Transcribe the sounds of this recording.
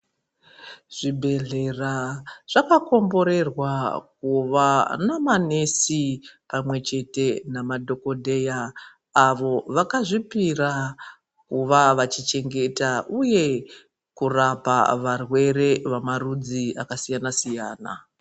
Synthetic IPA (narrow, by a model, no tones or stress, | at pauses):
ʐ̥ibʱe̞ɮe̞raʐ̥akako̞mbo̞ɾe̞rwakuʋanamanesipamwe̞t͡ʃe̞te̞namadʱo̞ko̞dʱe̞jaː | ʋo̞ʋakaʐipira | kuʋaʋat͡ʃit͡ʃe̞ŋɡe̞taʔuje̞ | kurapa̰ʋarwe̞re̞ʋamarud͡ziakasijanasijaːna̰